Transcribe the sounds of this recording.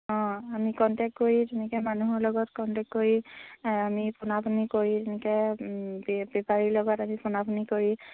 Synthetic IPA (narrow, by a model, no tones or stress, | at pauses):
ɔ̃amikɔntɛk̚t̚koɹitɛnɛkɛmanuɦɔɹlɔɡɔtkɔntɛk̚tkoɹiamipʰʊnapʰɔnikoɹitɛnɛkɛbbɛpaɹiɹlɔɡɔtamipʰunapʰɔnikoɹi